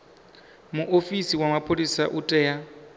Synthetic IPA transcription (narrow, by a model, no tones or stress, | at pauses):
muʔofisiwamapʰʼolisaʔutʼɛja